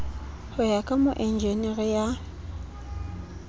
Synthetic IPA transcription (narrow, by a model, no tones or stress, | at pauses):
hʊjakʼamʊʔɛnd͡ʒenɪɣɪja